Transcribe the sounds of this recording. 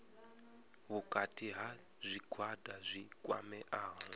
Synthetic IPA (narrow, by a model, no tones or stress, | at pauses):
βukʼatʰʼiɦa | zʷikʰwadazʷikʼwa̰mɛʔaːɦɔ